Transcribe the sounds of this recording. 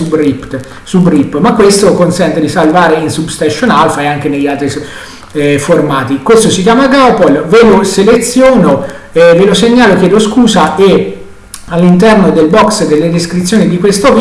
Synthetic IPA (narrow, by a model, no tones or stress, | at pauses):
ubript̪ | subripːmakːwest̪okonsɛnt̪ed̪isalvaːɾeinsubst̪aʃːonalfaeaŋk̟enejːalt̪ɾi | formaːt̪ikwest̪osik̬jaːmaɡapolveloselet̪sːjoːno | ɛveloseɲːaːlok̟jɛːd̪oskuːzaʔe | alːint̪ɛrnod̪elbɔksd̪elːed̪eskɾit̪sːjoːnid̪ikwest̪ov